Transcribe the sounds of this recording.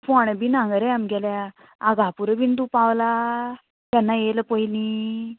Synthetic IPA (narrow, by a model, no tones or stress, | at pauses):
fɔɳ̃əbinãŋɡəɾejamɡɛlja | aɡapuɾəbind̪upaʋla | t̪janːajeləpəili